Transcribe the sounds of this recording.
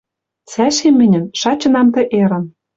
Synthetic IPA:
sæʃemɘ̆nʲɘ̆nʃɑt͡ɕɤ̆nɑmt̪ɘ̆ʔeɾɤ̆n

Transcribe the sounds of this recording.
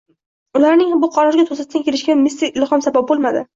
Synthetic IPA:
ʊlaɾnɪŋbʊqʰɒɾɒɾɪɡʲat̪ʰosat̪̚t̪ankʲʰe̞lɪʃkʲanmɪst̪ɪkʲlɪχɒmsabap̚bolˠmad̪ɪ̰

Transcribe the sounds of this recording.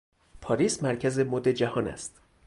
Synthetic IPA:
pʰɒːɾiːsmæɾcʰæze̞mod̪ed͡ʒæhɒːnæ̰st̪

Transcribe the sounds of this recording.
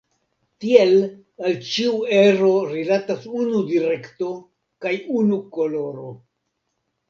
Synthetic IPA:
tiel | alt͡ʃiueɾoɾilatasunudiɾe̞kto̞ | kajunuko̞lo̞ɾo̞

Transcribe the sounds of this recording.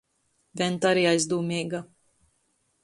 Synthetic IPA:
vʲɛnt̪aɾiajzd̪uːmʲiːɡa

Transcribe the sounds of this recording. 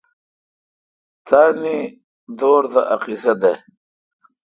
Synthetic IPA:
t̪ʰaːni | d̪oːɾd̪aʔɐqisɐd̪e

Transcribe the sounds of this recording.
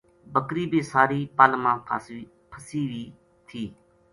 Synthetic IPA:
bəkɾiːbʱiːsaːɾiːpaːlmãː | pʰəsiːʋiː | t̪ʰiː

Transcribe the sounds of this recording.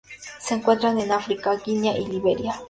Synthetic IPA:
seeŋkʷwent̪ɾanenafɾikakinjaʔiliβeɾja

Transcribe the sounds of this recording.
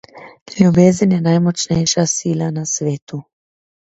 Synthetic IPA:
lʲjubeːzənjɛnajmɔt͡ʃnɛjʃasiːlanasʋeːt̪u

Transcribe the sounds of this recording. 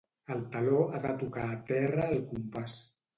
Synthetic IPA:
əlˠt̪aloaðət̪ukaːt̪ɛrəːlˠkumpas

